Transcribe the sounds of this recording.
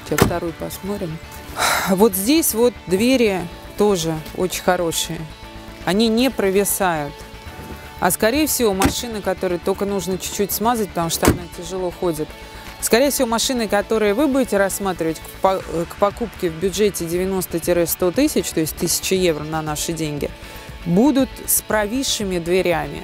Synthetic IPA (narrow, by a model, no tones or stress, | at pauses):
tʲaft̪ɐɾojpɐsmoɾʲɪm | vo̞t̪zʲdʲesʲvo̞t̪̚d̪vʲeɾʲɪ | t̪o̞ʐɨo̰t͡ɕɪnʲxɐɾo̞ʂɨjə | ɐnʲinʲepɾəvʲɪsajʊt̪ | ɐ̰skɐɾʲejəfsʲɪvo̞mɐʂɨnɨkɐt̪o̞ɾɨjət̪okənuʐnət͡ɕʊ̥t͡ɕːutʲsmazət̚ʲpət̪ɐmuʂt̪oɐnatʲɪʐɨlˠo̞xo̞dʲɪt̪ | skɐɾʲejəfsʲɪvo̞mɐʂɨnɨkɐt̪o̞ɾɨjəvɨbudʲɪtʲɪɾɐsːmat̪ɾʲɪvətʲ | pkpɐkupkʲɪvbʲʊʐetʲɪdʲɪvʲɪno̞st̪ətʲɪɾɛst̪o̞t̪ɨsʲɪt͡ɕt̪o̞jɪsʲtʲt̪ɨsʲɪ̥t͡ɕɪje̞vrənɐnaʂɨdʲenʲɡʲɪ̰ | bud̪ʊt̪spɾɐvʲiʂɨmʲɪd̪vʲɪɾʲamʲɪ̰